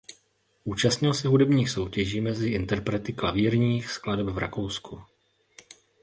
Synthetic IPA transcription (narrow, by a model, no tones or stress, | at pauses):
ʔuːt͡ʃast̪ɲɪlsɪɦudɛbɲiːxso̞wcɛʒiːmɛzɪʔɪnt̪ɛɾpɾɛt̪ɪklaviːɾɲiːxskladɛbvɾa̰ko̞wsku